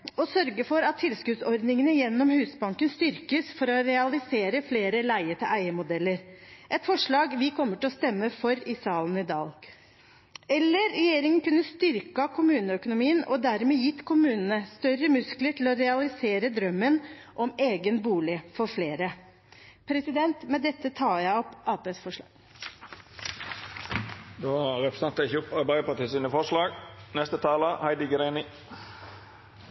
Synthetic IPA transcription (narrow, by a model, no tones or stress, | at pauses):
ɔsœɾɡəfɔɾɑt̪ʰːɪlskʉd̪sɔɾd̪nɪŋənəjɛnːɔmhʉːsbɑŋkənst̪ʏɾkəsfɔɾɔɾɛɑlɪseːɾəfleːɾəlæɪət̪ʰɪlʔæɪəmʊd̪ɛlːəɾʔɛt̪fɔʂɭɑːɡʋɪkʰɔmːəʈɪlɔst̪ɛmːəfɔɾɪsɑːlənɪd̪ɑ̰ːl | ɛlːəɾːɛjeːɾɪŋənkʉnːəst̪ʏɾkɑkʰʊmʉːnəœkʊnʊmiːənɔ̰d̪æɾmeːjɪt̪ːkʰʊmʉːnənəst̪œɾəmʉskləʈʰɪlɔɾɛɑlɪseːɾəd̪ɾœmːən | ʔɔmeːɡənbuːlɪfɔɾfleːɾə | pʰɾɛsɪd̪ɛnt̪mɛd̪ɛt̪ːət̪ʰɑːɾjæɪɔpʔɑːpeːsfɔʂɭɑ̥ː | d̪oːɾɛpɾəsɑnt̪əɪçəɔpɑɾbæɪpɑt̪iːsinəfɔʂɭɑːɡnɛst̪ət̪ʰɑːləhæɪd̪ɪɡɾæɪnɪ